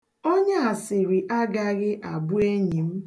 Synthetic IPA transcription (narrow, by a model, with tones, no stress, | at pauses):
o˦ɲa˦a˨sɪ˨ɾi˨ʔa˦ɡa˦ɣɪ˦ʔa˨bʊ˦e˦ɲi˨m̩˦